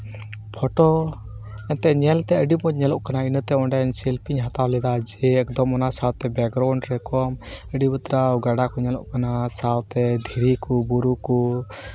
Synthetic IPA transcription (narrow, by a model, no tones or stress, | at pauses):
pʰɔʈɔ | ɛnt̪ɛʔɲɛlt̪ɛəɖimɔɲɛlɔʔkanainət̪ɛɔɳɖansɛlpiɲɦat̪awlɛd̪ad͡ʒɛɛkd̪ɔmɔnasawt̪ɛbɛɡɾawɳɖɾɛkɔməɖibət̪ɾawɡaɖakɔɲɛlɔ̰ʔkanasawt̪ɛd̪ʱiɾikɔbuɾukɔ